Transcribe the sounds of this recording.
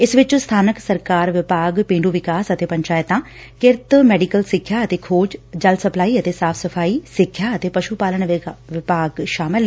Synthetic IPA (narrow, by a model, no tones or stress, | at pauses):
ɪsʋɪt͡ʃst̪ʰaːnəksəɾkaːɾʋɪpaːɡpẽːɳɖuːʋɪkaːsət̪eːpəɲt͡ʃaːjt̪ãː | kɪɾt̪mɛːɖiːkəlsɪkʰːjaːət̪eːkʰoːd͡ʒd͡ʒəlsəplaːiːət̪eːsaːpʰsəpʰaːiːsɪkʰːjaːət̪eːpəʃupaːləɳʋɪpaːɡʃaːmɪl